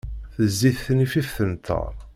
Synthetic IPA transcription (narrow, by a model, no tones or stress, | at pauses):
θəzːiθθnififθənt̪ʰːə̰ɾˤ